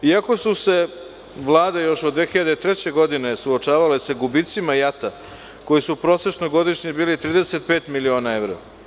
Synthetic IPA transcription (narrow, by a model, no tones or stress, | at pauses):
iako̞suse̞ | ʋlˠaːd̪ajo̞ʃod̪ːʋexiʎad̪eit̪ɾe̞t͡ɕe̞ɡo̞d̪ine̞suot͡ʃaːʋalesaɡubit̪simajat̪a | ko̞jisupɾo̞ːset͡ʃnoɡo̞d̪iʃɲibiːlit̪ɾiːd̪e̞se̞t̪̚peːt̪milio̞ːnae̞vɾo̰